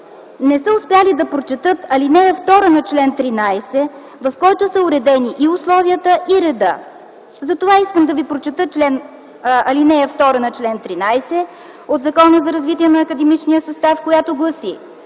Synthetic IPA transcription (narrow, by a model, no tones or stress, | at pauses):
nɛsəʊspʲjalid̪ɐpɾot͡ʃɛt̪ɤt̪ɐlinɛjəft̪ɔɾənɐt͡ʃlɛnt̪ɾinajsɛ | vɐfkɔjt̪osəʊɾɛd̪ɛniʔiʊslˠɔviət̪əʔiɾɛd̪ə̰ | zɐt̪ovaiskəmd̪ɐvipɾot͡ʃɛt̪ət͡ʃlɛn | ɐlinɛjəft̪ɔɾənɐt͡ʃlɛnt̪ɾinajsɛ | od̪zɐkɔnəzɐɾɐzvit̪iɛnɐːkəd̪ɛmit͡ʃniəsɐst̪afkojat̪oɡlˠɐsi